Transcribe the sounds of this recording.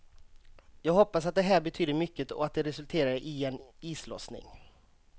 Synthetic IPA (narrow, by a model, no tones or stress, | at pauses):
jɑːɡɦɔpːasat̪̚d̪ɛɦæːɾbɛt̪ʰyːd̪əɾmʏkːət̪ɔ̰at̪̚d̪ɛɾɛsɵlt̪ʰeːɾaɾəʔɪɛniːslɔ̰snɪ̰ŋ